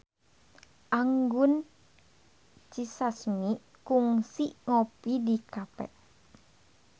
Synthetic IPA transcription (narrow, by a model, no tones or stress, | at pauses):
ʔaŋɡun | t͡ʃisasmi | kuŋsiŋopidikapɛ̰ʔ